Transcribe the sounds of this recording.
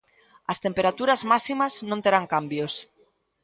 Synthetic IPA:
ast̪empeɾat̪uɾazmasimaznõnt̪eɾaŋkambjos

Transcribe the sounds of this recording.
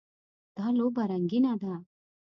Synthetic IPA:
t̪aːlobɐɾɐŋɡinaːd̪a

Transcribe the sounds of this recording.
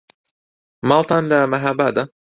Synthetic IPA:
mɑːlˠt̪ʰɑːnlɐmɐɦaːbaːd̪a

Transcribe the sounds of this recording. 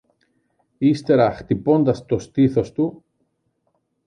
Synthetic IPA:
ist̪e̞ɾɐxt̪ipo̞nd̪ɐst̪o̞st̪iθo̞st̪u

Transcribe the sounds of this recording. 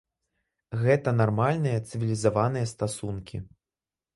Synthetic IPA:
ɣɛt̪ɐnarmalʲnɨjɐt̪sɨvʲilʲizavanɨjɐst̪asunkʲḭ

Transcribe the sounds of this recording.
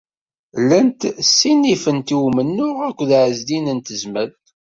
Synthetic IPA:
lənt̪sːinːifənt̪iwmənːʊʁækʷːðʕəzd̪inənt̪əzməlt̪

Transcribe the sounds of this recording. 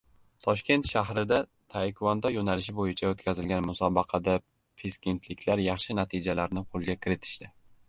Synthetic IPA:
t̪ʰɒʃkʲe̞nt̪ʃaɦɾɪd̪a | t̪ʰajkʲʰvɒnd̪ɒjonalɪʃ̬ɪbojɪt͡ʃʰaot̪kʲazɪlɡʲanmʊsɒbɑqʰɑd̪a | pʰeskʲent̪ʰlɪkʲʰlaɾjɑχʃɪnat̪ʰɪd͡ʒalaɾnɪqʰolˠɡʲakʲʰɪɾɪt̪ʰɪ̥ʃt̪ɪ

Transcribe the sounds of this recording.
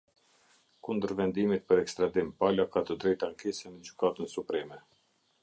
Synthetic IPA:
kund̪əɾvɛnd̪imit̪̚pəɾɛkst̪ɾad̪impalakat̪əd̪ɾɛjt̪aŋkɛsɛmɛd͡ʑykat̪ənsupɾɛmɛ

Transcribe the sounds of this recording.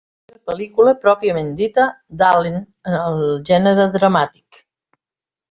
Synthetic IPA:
nəpəlikuləpɾɔpiəmend̪it̪ə | d̪alin | ənəlˠʒɛnəɾəðɾəmat̪i̥k

